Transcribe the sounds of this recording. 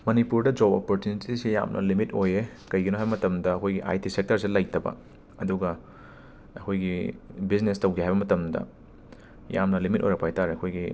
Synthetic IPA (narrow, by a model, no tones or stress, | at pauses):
mɐnipuɾdɐd͡ʒobopoɾtjunititisija̰mnʔɐ̰limitoje | kɐjɡinoɦajbɐmɐtɐmdɐːkʰojɡiʔa̰jtisek̚tɐɾs̬ilɐj̚tɐbɐ̰ | ɐduɡɐ | ɐkʰojɡibiznestɐwɡiɦajβbɐmɐtɐmdɐ̰ | ja̰mnɐlimitʔo̰jɾɐk̚pajtaɾeɐkʰojɡi